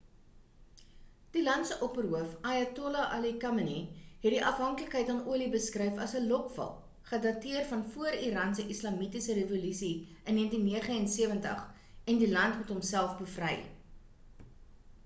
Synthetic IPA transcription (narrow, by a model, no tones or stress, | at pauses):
d̥ilɐntsəʔɔpərɦuəfajɛtolɐʔɐlikɐməniɦɛt̚diʔɐfɦɐŋkləkɦəjtɐːnuəlibəskrɛjfɐsəlɔkfɐ̰lˠ | χədɐtiərfɐnfuəɾiɾɑːnsəʔislɐmitisərevolysi | ənːiəntinːiəχəɛnsiəvəntə̰χ | ɛndilɐntmutɦomsælˠfbəfrəj